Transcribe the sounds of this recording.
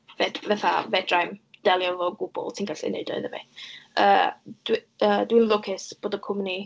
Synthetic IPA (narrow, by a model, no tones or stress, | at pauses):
vɛdvɛθavɛdrajmd̥ɛlˠjɔvɔɡʊbɔ̰lˠtʰɪŋɡasɪ̰nḛdɔ̰ðəvḛə̰d̥ədwinlˠʊkʰɪsb̥oːdəkʰʊmni